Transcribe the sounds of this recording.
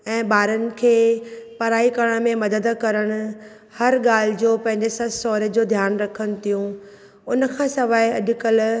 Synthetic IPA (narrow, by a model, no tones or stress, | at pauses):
ɛ̃ːɓaːɾənɪ̆kʰeːpɐɾaːikɐɽəɽ̃mẽmɐd̪əd̪kɐɾəɽ̃ʊ̆ | hɐɾɠaːl̤ɪd͡ʑoːpɐ̃ɦɪ̃ɲd͡ʑesɐsɔːɾd͡ʑoːd̪ʱjaːnɾɐkʰəñ̆t̪ʰijũ | ʊnə̆kʰãːsɐʋaːeɐ̰ɗʊ̆kəl